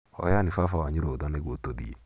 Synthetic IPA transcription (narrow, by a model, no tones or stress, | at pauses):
ɔ̰janifafawaɲiɾodɔneɡotodḭḛ